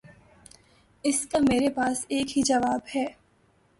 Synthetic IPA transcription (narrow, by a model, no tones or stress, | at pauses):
ɪskameːɾepaːseːkɦid͡ʒɐʋaːbhɛː